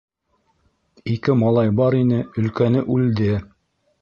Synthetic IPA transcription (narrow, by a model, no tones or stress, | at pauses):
ikɘmɑlˠɑjbɑɾinɘɵ̆lkænɘʔʉld̪ɘ